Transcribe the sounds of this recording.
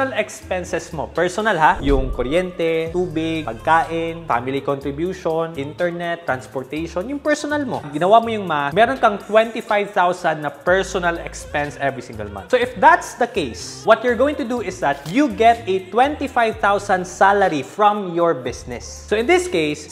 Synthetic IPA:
ɐlɛkspɛnsɛsmo̰pɛɹsɔnalɦajʊŋkoɾjɛnt̪ɛt̪uːbɪɡ̚pɐɡ̚kaːʔɪnfa̰ːmɪlikont̪ɾɪbjuːʃonʔɪnt̪ɛɹnɛt̪ːɾɐnspɔɹt̪ɛʃonjʊŋpɛɹsonɐlmo̰ɡɪnɐwamojʊŋmɐamɛɾonkɐŋt̪wɛ̃nt̪ifajvt̪awsɐnd̪ːɐpɛɹsɔnɐlɛkspɛ̃nsʔɛvɹisĩŋɡɛ̰lmɐ̰̃soʔɪfd̪at̪sd̪ɐkejs | wɐt̪jʊɹɡoːwɪ̃ŋt̪ʊd̪uʔɪsd̪ɐt̪juɡɛt̪ɛt̪wɛ̃nt̪ifajvt̪awsɐnd̪salɐɾifɹɐmjɔɹbɪsnɪs | soʔɪ̃nd̪ɪskejs

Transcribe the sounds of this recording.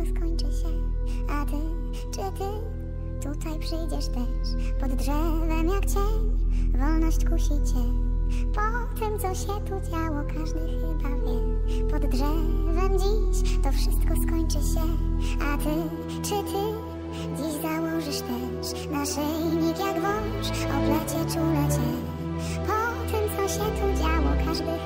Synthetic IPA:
ɔskɔɲt͡ʂɘɕɛat̪ɪ | t͡ʂɘt̪ɘ | t̪ut̪ajpʂɘjd͡ʑɛʂt̪ɛ | ʂpɔd̪ːʐɛvɛmjakt͡ɕɛvɔlnɔɕt͡ɕkuɕit͡ɕɛpɔ | t̪ɘmt̪sɔɕɛt̪ud͡ʑawɔkʰaʐd̪ɛxɘbavʲjɛpɔd̪ːʐɛvɛmd͡ʑiɕt̪ɔfʂɘst̪kɔskɔɲt͡ʂɘɕɛat̪ɪ | t͡ʂɘt̪ʰɘ | d͡ʑiʑzawɔʐɘʂt̪ɛ | ʂ | naʂɛjɲik̪ʲjaɡvɔ̃ | ʂɔ̰b̪lɛt͡ɕɛt͡ʂulɛt͡ɕɛ | pɔt̪ɘmt̪sɔɕɛt̪ud͡ʑawɔkʰaʐd̪ɘ

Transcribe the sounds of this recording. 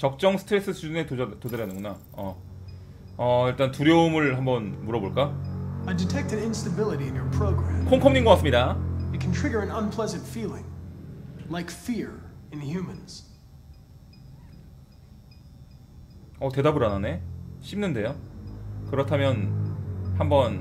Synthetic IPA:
t͡ɕʌk̚t͡ɕ͈ʌŋsʰɯ̥tʰɾe̞s͈ɯsʰud͡ʑunetod͡ʑaɾjanɯŋɡuna | ʌ | ʌiɭt͈antuɾjʌumɯɭhambʌnmuɾʌboɭk͈aaɪdɨtʰɛk̚tɨ̃ɾɪ̃nstɨbɪlˠəɾiɨ̃njə˞pʰɹ̥oʊɡɹæ̃mkʰoŋkʰʌmɲiŋɡʌk͈as͈ɯmɲidaɨt̚kʰntʰɹ̥iɡə˞ɨ̃nʌ̃npʰl̥ɛzɨ̃ntfilˠɪ̰̃ŋ | laɪkfiɹɨ̃nɦjʉmɨ̃nz̥ | ʌte̞dabɯɾanane̞ɕʰimnɯnde̞jo | kɯɾʌtʰamjʌn | hambʌn

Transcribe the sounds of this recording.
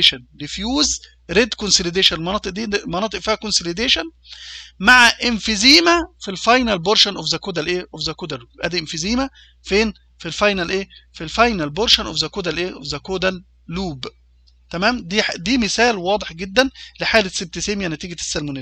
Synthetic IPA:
ʃænlefjuːz | ɾed̪konsoled̪eːʃænelmɑnɑːt̪ˤɨʔd̪iːmɑnɑːt̪ˤɨʔfiːhækonsoled̪eːʃæn | maʕaʔɪnfiziːmæfilfɑjnælboɾʃænʔofzækoːd̪ælʔeːʔofzækoːd̪ælːuːbʔæ̰ːd̪iʔenfiziːmæ | feːn | filfɑjnælʔeːfilfɑjnælboɾʃænʔofzækoːd̪ælʔeːʔofzækoːd̪ælː | uːb | t̪æmæːmd̪iːħd̪iːmɪsæːlwɑːd̪ˤeħɡed̪ːænleħaːleseb̚t̪eseːmjænæt̪iːɡæsːælmone

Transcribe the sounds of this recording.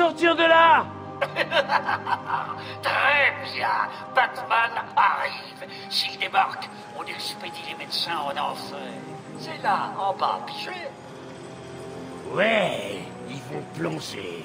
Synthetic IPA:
ɔʁt̪iʁd̪əla | t̪χɛbjɛ̰̃ | bat̪manaʁi | v | sild̪ebaʁk | ɔ̃d̪esy̥ped̪ilemed̪sɛ̃ɔ̃nɑ̰̃fɛ | sɛlaɑ̃ba̰piʒe | wɛ | ilvɔ̃plɑ̃ʒḛ

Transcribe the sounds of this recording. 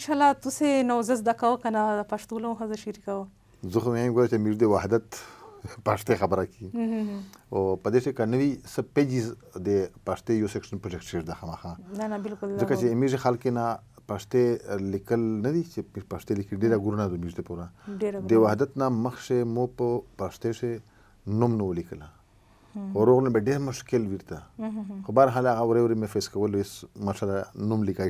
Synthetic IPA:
ɪnʃalat̪usenawzɐs̬d̪akawəkɐnad̪əpaʃt̪ulaũɦɐzəʃiɾikawə | zuxmamiɡoɾat͡ʃemiʐd̪ewaɦd̪at̪ | paʂt̪exabəɾakʰi | opəd̪eʂekanəʋisəped͡ʒiz | d̪epaʂt̪ejosekʂənpɾod͡ʒek̚ʈseʐd̪axamaxãnanabɪlkʊlzzəkat͡ʃemiʐexalkena | paʂt̪elikəlnad̪it͡ʃemipaʂt̪elikəliɖeɾaɡuɾunad̪omiʐd̪epuɾad̪ewahd̪at̪naməxʂemopəpaʂt̪eʂe | numnəwəlikəla | xoɾoɣnabeɖeɾmʊʃkɪlwiɾt̪axobaɾɦalaɣawɾewɾemefeskawəlesmaʃalanumlika

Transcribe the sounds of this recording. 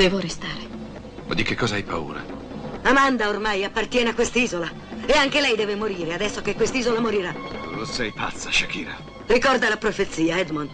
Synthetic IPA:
d̪̥ɛːvoɾest̪aːɾe | ma̰d̪ikekʰːɔːzaajpa̰ṵːɾa̰ | amand̪aormajapːart̪jɛːneakːwest̪iːzola | eaŋkelɛjd̪ɛːvemoɾiːɾead̪ɛsːokekːwest̪iːzolamoɾiɾalosɛjpa̰t̪sːaʃakiːɾa̰ | rikɔrd̪alapɾofet̪sːiːaɛd̪mon

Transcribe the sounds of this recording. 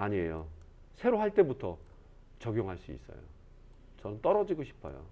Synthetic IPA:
aɲie̞jo | sʰe̞ɾoɦaɭt͈e̞butʰʌ | t͡ɕʌɡjoŋɦaɭs͈uḭs͈ʌ̰jo̰ | t͡ɕʌnɯnt͈ʌɾʌd͡ʑiɡoɕʰi̥pʰʌ̰jo̰

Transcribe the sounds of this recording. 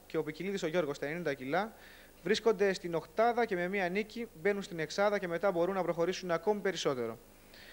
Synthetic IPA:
ce̞o̞piciliðiso̞ʝo̞ɾɣo̞st̪ɐenind̪ɐcilɐ | vɾisko̞nd̪e̞st̪ino̞kt̪ɐðɐce̞me̞miɐnicibe̞nunst̪ine̞ksɐðɐce̞me̞t̪ɐbo̞ɾunːɐpɾo̞xo̞ɾisunɐko̞mipe̞ɾiso̞t̪e̞ɾo̞̰

